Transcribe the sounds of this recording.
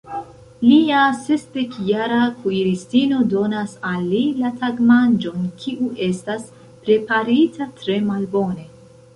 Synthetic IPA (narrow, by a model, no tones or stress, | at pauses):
liasesdekjaɾakuiɾistino̞do̞nasalːilatʰaɡmand͡ʒo̞nkʰiʔuʔe̞stas | pɾe̞paɾitʰatɾe̞malbo̞ne̞